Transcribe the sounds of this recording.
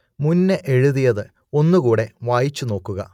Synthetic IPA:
munːɨʔeɻuðijɐðɨ | o̞nːukuːɽe̞ʋaːjit͡ɕːuno̞ːkːuɣɐ

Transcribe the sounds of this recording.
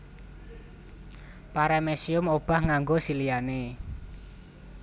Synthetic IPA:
paɾɛmesiʊmob̥a̤hŋaŋɡosilijane

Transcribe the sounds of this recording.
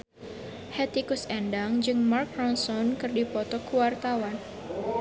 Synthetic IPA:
hɛt̪ikusɛndaŋd͡ʒɨŋmark̚ɾɔnsɔnkɨrdipɔt̪ɔkuwart̪awan

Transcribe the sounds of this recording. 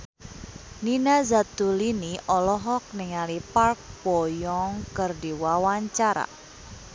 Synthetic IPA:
ninazat̪uliniʔɔlɔɦɔk̚nɪŋalipark̚pɔjɔŋkərdiwawaɲt͡ʃaɾa̰

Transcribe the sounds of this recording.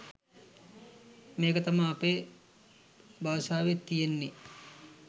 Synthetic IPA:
meːkət̪amaːpe | baʋsaːʋet̪ːijenːe

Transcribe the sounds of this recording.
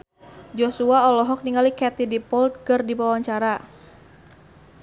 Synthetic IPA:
d͡ʒosuaɔlɔɦɔk̚niŋɡalikɛt̪idipɔlt̪̚kərdipawaɲt͡ʃaɾa

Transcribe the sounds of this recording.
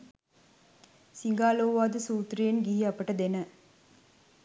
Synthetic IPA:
sɪŋɡaːloːʋaːd̪ɯsuːt̪ɾijenɡiːjaːpːɐʈːɐd̪ɛnɐ

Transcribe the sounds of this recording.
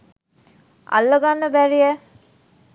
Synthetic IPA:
a̰lːəɡanːəbæɾijə

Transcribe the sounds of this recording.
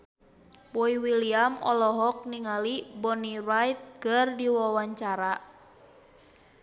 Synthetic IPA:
pɔiwiliamɔ̰lɔɦɔk̚niŋalibɔnirajt̪̚kərdiwɔwaɲt͡ʃaɾa

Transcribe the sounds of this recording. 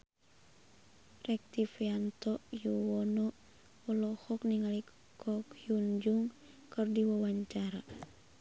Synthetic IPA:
rɛk̚t̪ifiant̪ɔʔjuwɔnɔ | ɔlɔhɔk̚niŋalik | kʰɔkjund͡ʒuŋ | kɨrdiwawaɲt͡ʃaɾa

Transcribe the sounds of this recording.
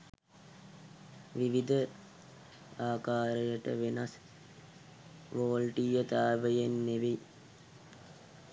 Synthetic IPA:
ʋiʋid̪ʱə | aːkaːɾəjəʈə̰ʋenas | ʋoːlʈijət̪aːbəjenːeʋi

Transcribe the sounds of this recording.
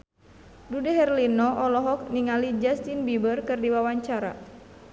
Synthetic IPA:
dudɛɦɛrlinɔɔlɔɦɔk̚niŋalid͡ʒast̪inbibərkɨrdiwawaɲt͡ʃaɾa̰

